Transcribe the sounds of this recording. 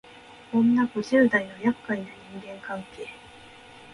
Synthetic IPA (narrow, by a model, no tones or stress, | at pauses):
õ̞nːaɡoʑɨːd̪ainojakːaid̪aɲ̟ĩŋɡẽ̞ŋkãŋke̞ː